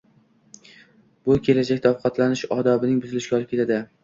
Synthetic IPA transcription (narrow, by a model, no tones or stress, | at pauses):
b̥ʊkʲʰe̞lad͡ʒakʲt̪afqʰɒt̪ʰlanɪʃɒd̪ɒbɪnɪŋbʊzɪlɪʃɡʲaɒlˠɪpkʲʰead̪ɪ